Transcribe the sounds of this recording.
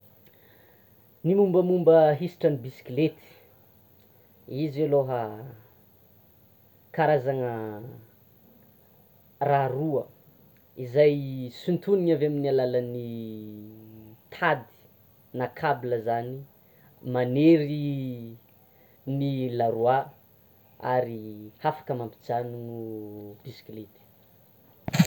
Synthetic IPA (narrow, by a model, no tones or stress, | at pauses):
nimumbəmumbəɦisi̥ʈ͡ʂənibisi̥klet̪i̥ | izaloɦa | kaɾazaŋə | raruə | izajsint̪uniɲavaminialaləni | t̪ʰad̪i̥ | nakʰabiləzani | maneɾi | nilaɾua | aɾihafḁkəmampi̥d͡zaninub̥isi̥klit̪i̥